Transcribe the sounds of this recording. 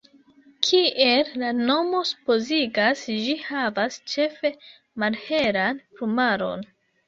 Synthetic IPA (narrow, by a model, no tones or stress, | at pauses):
kʰiʔellano̞mo̞su̥po̞ziɡasd͡ʒihavast͡ʃe̞fe̞ | malhe̞ɾanpɾumaɾo̞̰n